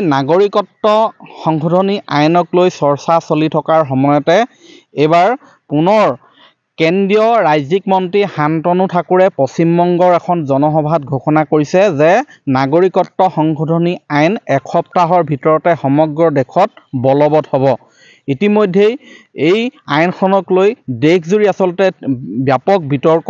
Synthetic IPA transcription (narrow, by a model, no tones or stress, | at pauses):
naɡoɹikɔtːɔxɔŋɡʱɔdʱɔniʔajnɔklojsɔɹsasolitʰɔkaɹɦɔmɔjɔtɛ | ejbaɹ | pʊnɔɹ | kendijɔɹajzikmɔntɹihantɔnutʰakuɹɛpɔsimːɔŋɡɔɹɛkʰɔnzɔnɔxɔbʱatɡʱoxɔnakoɹisɛzɛ | naɡoɹikɔtːɔxɔŋɡʰʱɔdʱɔniajnɛkʰɔp̚taɦɔɹbʱitɔɹɔtɛxɔmɔɡɹɔdekʰɔt̚bɔlɔbɔthɔbɔ | itimojdʱːejejajnkʰɔnɔklojdekʰzuɹiasɔltɛbjapɔk̚bʱitɔɹk